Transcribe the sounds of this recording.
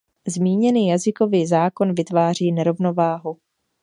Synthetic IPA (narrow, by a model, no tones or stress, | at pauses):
zmiːɲɛniːjazɪko̞viːzaːko̞nvɪt̪vaːr̝iːnɛɾo̞vno̞vaːɦu